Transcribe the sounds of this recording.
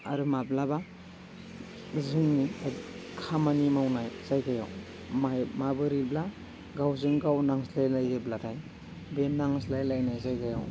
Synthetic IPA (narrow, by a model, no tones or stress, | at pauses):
a̰ɾɯmablaba | zɯŋnia | kʰamanimawnajz̥ajɡaja̰w | mmabɯɾibla | ɡawzɯŋɡawnaŋslajlajɡeblatʰaj | bennːaŋslajlajnajzajɡaja̰w